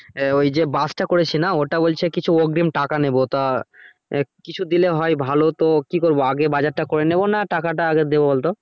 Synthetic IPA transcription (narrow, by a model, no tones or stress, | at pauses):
ojd͡ʑebasʈakoɾet͡ɕʰinaoʈabolt͡ɕʰekit͡ɕʰuoɡɾimʈakanebot̪a | kit͡ɕʰud̪ileɦɔebʱalot̪okikoɾboaɡebad͡ʑaɾʈakoɾenebonaʈakaʈ̬aaɡed̪ebobolt̪o